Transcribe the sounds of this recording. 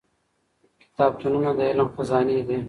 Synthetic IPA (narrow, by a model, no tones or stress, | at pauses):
kɪ̥t̪aːb̚t̪unumãːd̪elõːfɐzaːniːd̪eː